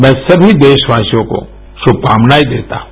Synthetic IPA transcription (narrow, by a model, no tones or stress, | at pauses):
mɛ̃sɐbʱid̪eːʃʋaːsijõko̰ | ʃʊb̚kaːmnaːid̪eːt̪a̰ː